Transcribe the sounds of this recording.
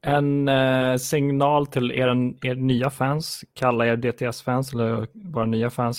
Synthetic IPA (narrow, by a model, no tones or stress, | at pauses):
ɛnsɪŋnɑːlt̪ʰɪlḛːɾaneːʈnyːafænskʰalːaeːɾɖeːt̪ʰeɛsfæːnsɛlːəɾvɑːɾanyːafæːns